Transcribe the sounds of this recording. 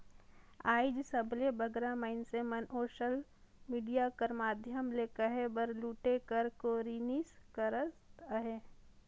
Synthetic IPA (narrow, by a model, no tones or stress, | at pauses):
aːɪd͡ʒsəbʱlebəɡɾaməɪnsemənoːʃəl | miːɖijakəɾmaːd̪ʱjəmleːkəɦebəɾluːʈekəɾkoːɾiːniːskəɾəsəɦeː